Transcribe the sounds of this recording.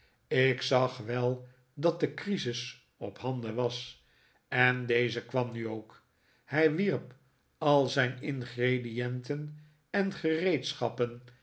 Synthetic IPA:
ɪksɑχʋɛlˠ | dɑt̚dəkrizɪs | ɔphɑnd̪əʋɑs | ɛndejzəkʋɑmnyowk | hɛjʋiɹp | ɑlˠzɛjnɪnχredijɛntən | ɛnχərejtsχɑpən

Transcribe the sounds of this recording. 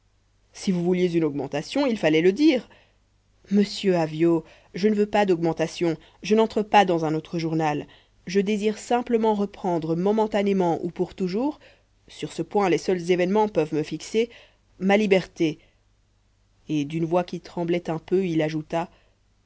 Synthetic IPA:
sivuvuljezynɔɡmɑ̃t̪asjɔ̃ilfalɛləd̪iːʁ | məsjøavjo | ʒənəvøpad̪ɔɡmɑ̃t̪asjɔ̃ | ʒənɑ̃t̪χəpad̪ɑ̃zɛ̃not̪χəʒuʁnal | ʒəd̪eziʁsɛ̃pləmɑ̃ʁəpχɑ̃d̪ʁəmɔmɑ̃t̪anemɑ̃ʔṵpuʁt̪uʒuːʁ | syʁsəpwɛ̃lesœlzevɛnmɑ̃pœvməfikse | malibɛʁt̪e | ed̪ynvwakʲit̪χɑ̃blɛt̪ɛ̃pøilaʒut̪a

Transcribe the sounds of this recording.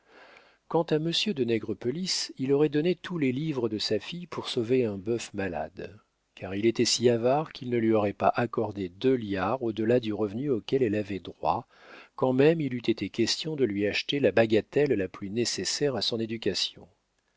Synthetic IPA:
kɑ̃t̪aməsjød̪ənɛɡʁəpɔlisilɔʁɛd̪ɔnet̪ʰulɛlivʁəd̪əsafijpuʁsoveɛ̃bœfmala̰d̪ | kʰaʁilet̪ɛsiavaʁkʰʲilnəlɥiɔʁɛpaʔakɔʁd̪ed̪øljaʁod̪əlad̪yʁəvnyokʲɛlɛlavɛd̪ʁwa̰ | kɑ̃mɛmilyt̪et̪ekʲɛst̪jɔ̃d̪əlɥiaʃt̪elabaɡat̪ɛlːaplynesesɛʁasɔ̃ned̪ykʲasjɔ̰̃

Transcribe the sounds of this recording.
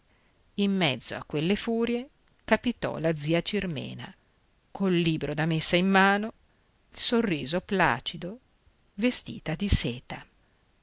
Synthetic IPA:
imːɛd̪zːo̰a̰kːwelːefuːɾje | kapit̪ɔ̰lad̪zːiːat͡ʃirmḛːna̰ | kʰolːiːbɾod̪amesːaimːaːno | ilsorːiːzopla̰ːt͡ʃid̪o | vest̪ḭːt̪ad̪iseːt̪a

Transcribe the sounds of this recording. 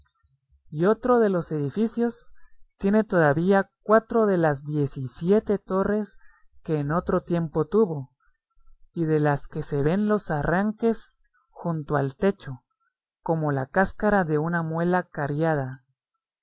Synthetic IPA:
io̞t̪ɾo̞ðe̞lo̞se̞ðifisjo̞st̪je̞ne̞t̪o̞ðaβiak̚wat̪ɾo̞ðe̞lazd̪je̞sisje̞t̪e̞t̪o̞re̞s | ke̞ːno̞t̪ɾo̞t̪je̞mpo̞t̪uβo̞ | iðe̞laske̞se̞βe̞nlo̞saraŋke̞s | xunt̪oalt̪e̞t͡ʃo̞ | ko̞mo̞lakaskaɾaðe̞unamwe̞lakaɾjað̞a

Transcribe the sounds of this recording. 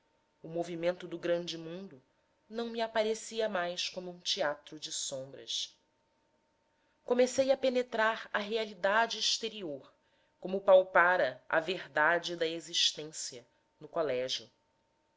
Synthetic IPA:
ʊmovimẽnt̪ʊd̪ʊɡɾɐ̃nd͡ʒɪmũnd̪ʊ | nɐ̃w̃miapaɾesiɐmajskõmʊũt͡ʃiat̪ɾʊd͡ʒɪsõmbɾɐ̰s | komesejɐpenet̪ɾaɾɐɦealid̪ad͡ʒɪːʃt̪eɾioɾ | kõmʊpawpaɾɐɐ̰veɾd̪ad͡ʒɪd̪ɐeziʃt̪ẽsjɐ | nʊkolɛʒjʊ

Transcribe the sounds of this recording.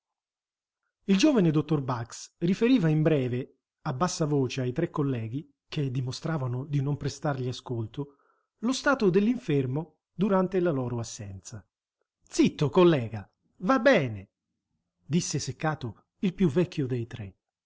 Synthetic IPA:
ild͡ʒoːvaned̪ot̪ːorbaksrifeɾiːvaimbɾɛːve | abːasːavoːt͡ʃeajt̪ɾekːolːɛːɡ̟i | k̟ed̪ːimost̪ɾaːvanʊd̪inompɾest̪arʎiaskolt̪ʊ | lost̪aːt̪od̪elːiɱfermo | d̪uɾant̪elalɔːɾʊasːɛnt̪sa | t̪sit̪ːokolːɛːɡa | vabːɛːne | d̪isːesekːaːt̪o | ilpjuvːɛkːjʊd̪ejt̪ɾḛ

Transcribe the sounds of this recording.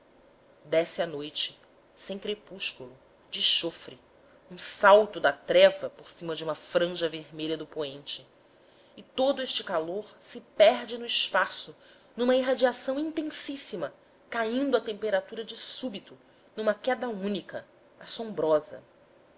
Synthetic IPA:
d̪ɛsɪɐnojt͡ʃɪ̥ | sẽj̃kɾepuʃkulʊ | d͡ʒɪʃofɾɪ | ũsawt̪ʊd̪ɐt̪ɾɛvɐpoɾsĩmɐd͡ʒɪũmɐfɾɐ̃ʒɐveɾmeʎɐd̪ʊpoẽnt͡ʃɪ | ɪt̪od̪ʊeʃt͡ʃɪkaloɾsɪpɛɾd͡ʒɪnʊiʃpasʊ | nũmɐiɦad͡ʒiasɐ̃w̃ĩnt̪ẽsisimɐ | kaĩnd̪ʊɐt̪ẽmpeɾat̪uɾɐd͡ʒɪsubit̪ʊ | nũmɐkɛd̪ɐũnikɐ | asõbɾɔzɐ̰

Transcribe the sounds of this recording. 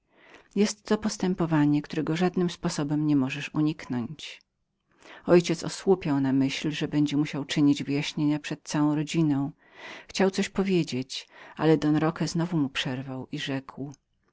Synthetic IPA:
jɛst̪ːɔpɔst̪ɛmpɔvaɲɛkt̪uɾɛɡɔʐad̪nɘmspɔsɔbɛmɲɛmɔʐɛʂuɲiknɔɲt͡ɕ | ɔjt͡ɕɛt̪sɔ̰swupʲjawnamɘɕlʐɛbɛɲd͡ʑɛmuɕawt͡ʂɘɲid͡ʑvɘjaɕɲeɲapʂɛt̪̚t̪sawɔ̃w̃ɾɔd͡ʑinɔ̃w̃ | xt͡ɕawt̪sɔɕpɔvʲjed͡ʑet͡ɕʔa̰lɛd̪ɔnɾɔkɛznɔvumupʂɛɾvawʔiʐɛkw

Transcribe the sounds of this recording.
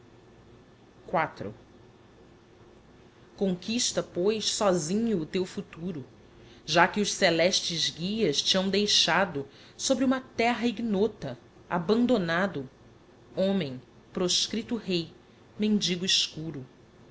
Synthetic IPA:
kwat̪ɾʊ̰ | kõŋkiʃt̪ɐpojssɔzĩɲʊːt̪ewfut̪uɾʊ | ʒakɪʊʃselɛʃt͡ʃɪzɡiɐst͡ʃiɐ̃w̃d̪ejʃad̪ʊ | sobɾɪũmɐt̪ɛɦɐiɡnot̪ɐ | a̰bɐ̃nd̪onad̪ʊ | õmẽj̃ | pɾoʃkɾit̪ʊɦej | mẽnd͡ʒiɡʊiʃkuɾʊ

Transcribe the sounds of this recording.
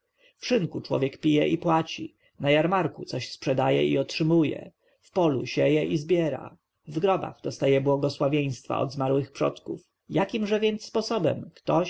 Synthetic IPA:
fʂɘŋkut͡ʂwɔ̰vʲjɛkpʲijɛʔipwat͡ɕi | najaɾmaɾkut̪sɔɕspʂɛd̪ajɛ̰iɔtʂɘmujɛ̰ | fpɔlṵɕɛjɛʔizbʲjɛɾa̰ | vɡɾɔba̰ɣd̪ɔst̪ajɛbwɔɡɔswavʲej̃st̪fa̰ɔ̰d̪zmaɾwɘxpʂɔt̪kuf | jakʲimʐɛvʲjɛnt̪sːpɔsɔbɛmkt̪ɔ

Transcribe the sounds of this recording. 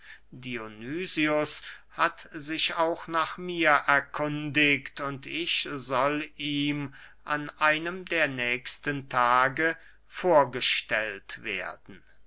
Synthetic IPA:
dionyːziʊshatzɪʃaʊxnaːχmiːɐʔɛɐkʰʊndɪktʊntɪçzɔliːm | ʔa̰nʔaɪnəmdeːɐnɛːkstəntʰaːɡə | foːɐɡəʃtɛltv̥ḛːɐdn̩

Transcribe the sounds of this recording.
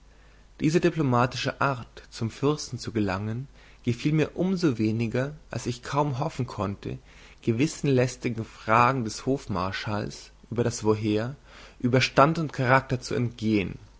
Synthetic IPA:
d̥iːzədiplomaːtɪʃə̰ʔaɐtt͡sʊmfʏʁstn̩t͡suɡəlaŋən | ɡ̥əfiːlmiːɐʔʊmzoveːnɪɡɐʔa̰lsɪçkʰaʊmɦɔfn̩kʰɔntʰə̰ | ɡ̥əvɪsn̩lɛstɪɡŋ̩fʁ̥aːɡŋ̩dɛshoːfma̰ɐʃaːlsʔyːbɐɾasv̥oɦeːɐ | ʔyːbɐʃtantʊntkʰaʁak̚tɐt͡sṵɛ̰ntɡ̥eːən

